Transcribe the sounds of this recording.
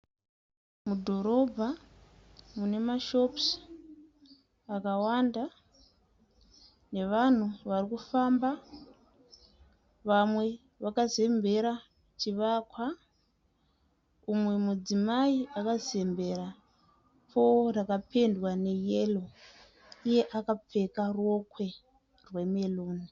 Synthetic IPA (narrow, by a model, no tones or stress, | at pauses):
mudʱo̞ɾo̞bʱa | mune̞maʃo̞ps | akawanda | ne̞ʋan̤uʋarikufamba | ʋamwe̞ | ʋakaze̞mbʱe̞ɾa | t͡ʃiʋakwa | umwe̞mud͡zimaiakaze̞mbe̞ɾa | pʰo̞rakapʰe̞ndwane̞jelo̞ | ije̞ʔakap͡fe̞karo̞kwe̞ | rwe̞meloːni